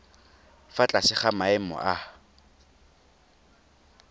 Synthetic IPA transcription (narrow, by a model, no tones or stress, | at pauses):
fat͡ɬʼasɪχamaɛmɔ̰ʔa